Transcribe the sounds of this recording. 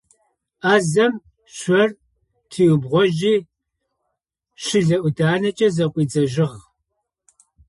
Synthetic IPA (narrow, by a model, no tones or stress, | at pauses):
aːzɐm | ɕʷɐr | tʰiːwbʁʷɔʒiː | ɕɪɮɐʔʷʊdaːnɐt͡ʃʼɐzɐqʷʼiːd͡zɐʒɪʁ